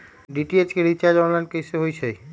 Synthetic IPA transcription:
ɖiʈiet͡ʃkeɾit͡ʃaɾd͡ʒɔnlankejseɦojt͡ʃʰɛ

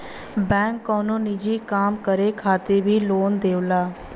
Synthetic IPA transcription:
bɛ̃ːŋkːɔːnõːnid͡ʒiːkaːmkəɾeːkʰaːt̪eːbʱiːloːnd̪eːlaː

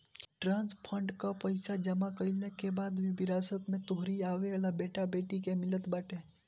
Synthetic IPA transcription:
ʈɾãːnspʰə̃ɳɖkapəɪsad͡ʒɐmakəilekebaːd̪ʋibɪɾaːsət̪mẽt̪oɦɾiaːʋeəlabeːʈabeːʈikemɪlət̪baːʈẽ

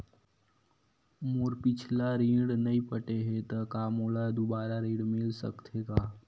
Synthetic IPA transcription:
mʊɾpɪt͡ʃʰlaɾĩːɽnɐĩpəʈeɦet̪əkaːmoːlad̪ubaːɾaɾĩːɽmɪlsə̰kt̪ʰeɡaː

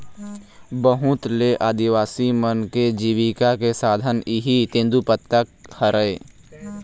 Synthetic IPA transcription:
bəɦʊt̪leʔaːd̪iʋaːsimənked͡ʒiːʋikakesaːd̪ʱənɪɦit̪ẽːnd̪upət̪ːəkhəɾʔəe

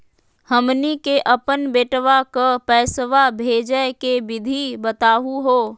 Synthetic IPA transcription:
həmnikeʔɐpənbeːʈʋakəpɛːsʋabʱeːd͡ʒəkebɪd̪ʱibət̪aːɦuɦoː

